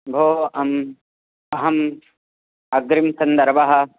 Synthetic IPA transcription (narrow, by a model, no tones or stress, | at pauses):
bʱoːɐm | ɐɦɐm | ɐɡ̚ɡɾimsɐnd̪ɐɾʋɐɦɐ̆